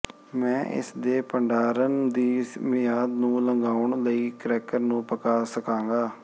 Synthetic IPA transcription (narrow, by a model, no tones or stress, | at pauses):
mɛ̃ːʔɪ̰sd̪eːpəɳɖaːɾənd̪iːmɪjaːd̪nũːləŋɡaːʊɳləiːkɾɛːkəɾnũːpəkaːsəkãːŋɡaː